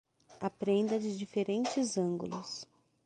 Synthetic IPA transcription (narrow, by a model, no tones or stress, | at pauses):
apɾẽnd̪ɐd͡ʒɪd͡ʒifeɾẽnt͡ʃɪzɐ̃ŋɡṵlʊs